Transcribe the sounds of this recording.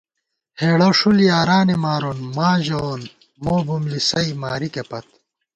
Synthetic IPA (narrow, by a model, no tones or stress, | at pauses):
heːɽɐʂulijaːɾaːnemaːɾonmaːʑon | moːbumlisɐimaːɾikepɐt̪